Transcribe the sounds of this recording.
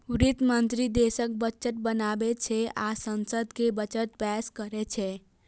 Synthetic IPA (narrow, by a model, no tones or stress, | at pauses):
uɾit̪mənt̪ɾid̪esək̚bət͡ʃət̪̚bənabet͡ʃʰɛa̰sənsəd̪kebət͡ʃət̪̚pɛskəɾet͡ʃʰɛ